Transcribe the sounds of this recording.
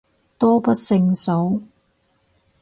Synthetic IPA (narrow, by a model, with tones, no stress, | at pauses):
t̪ɔː˥pɐ˥t̚sɪ˧ŋso˨˥w